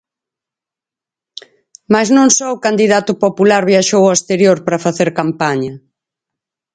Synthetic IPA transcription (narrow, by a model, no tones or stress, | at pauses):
maznõŋsɔʊkand̪iðat̪ʊpopulaɾβjaʃowaest̪eɾjoɾpɾɐfaθeɾkampaɲɐ